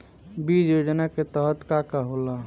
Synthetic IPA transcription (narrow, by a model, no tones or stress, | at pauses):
bid͡ʒjod͡ʒənaket̪əɦət̪kakaɦola